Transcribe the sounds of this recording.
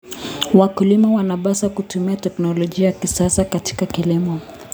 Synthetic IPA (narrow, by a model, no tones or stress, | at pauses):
wakulimawanaɓasakutumiatɛknɔlɔʄiajakisasakati̥kakilimɔ